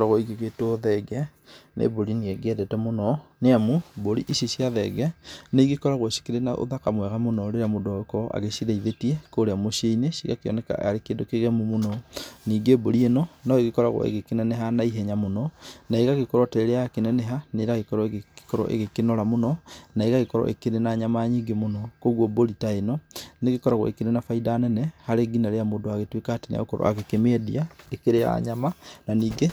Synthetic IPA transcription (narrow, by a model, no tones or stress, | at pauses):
ɾaɣɔiɡeɣetoðɛɡɛ | nʔḛboɾinieɡɛdɛtɛmonɔneamoboɾiʔiʃeʃjaðɛɡɛneiɡekɔɾaɣwoʃi̥keɾenaʔo̰ðakamwɛɣamonɔɾeɾamodɔkɔʔa̰ɣeʃiɾeiðetiɛkoɾeamoʃieineʃiɣakeɔ̰nɛka̰a̰ɾekeːdokeɣɛmomonɔniːɡeboɾienɔnɔeɣekɔɾaɣɔ̰ḛɣekenɛneɦanaiɦɛɲamonɔnaeɣaɣekɔɾwɔtɛeɾeakenɛnɛɦaneɾaɣekɔɾɔeɣkkɔɾɔ̰ʔḛɣekenɔɾamonɔnaeɣaɣekɔɾɔ̰ʔḛkeɾenaɲamaɲiːŋɡemonɔkoɣwɔboɾitaenɔneɣekɔɾaɣwɔ̰ekeɾenafaidaːnɛnɛhaɾeɡinaɾeamoːndoaɣetwekaten̰a̰ɣokɔɾɔ̰a̰ɣekemediaekeɾeja̰ɲamananiːɡe